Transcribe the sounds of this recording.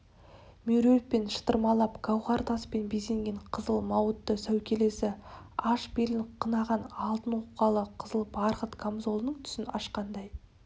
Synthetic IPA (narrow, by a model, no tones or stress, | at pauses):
meɾelt̪̚pe̞nʃə̥t̪əɾmɑlˠɑpɡɑwʁɑɾt̪ɑspe̞nbese̞ŋɡʲe̞ɴqʰəzəlˠmɑwət̪ːəsæwkʲʰe̞le̞sɪ | ɑʃbelɪnqʰənɑʁɑnɑlˠt̪ənwoqːɑlˠəqʰəzəlˠbɑɾʁət̪kʰamzo̞lˠnəɴt̪ʰʏ̥sɪnɑʃqɑnd̪ɑj